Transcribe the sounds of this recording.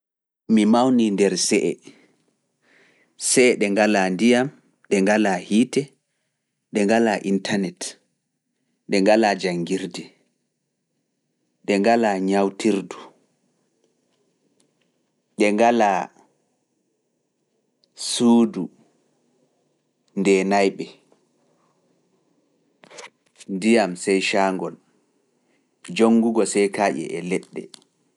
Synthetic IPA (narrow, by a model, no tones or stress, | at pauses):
mimawnindɛɾsɛʔɛ | sɛɗɛŋɡalandijam | ɗɛŋɡalahiːtɛ | ɗɛŋɡalaʔintanɛt | ɗɛŋɡalad͡ʒaŋɡiɾdɛ | ɗɛŋɡalaɲawtʰiɾdu | ɗɛŋɡala | suːdu | ndɛnajɓɛ | ndijamsɛjʃaːŋɡɔl | d͡ʒoŋːɡuɡɔsɛjkaːʔɛ̰ʔɛlɛɗːɛ̰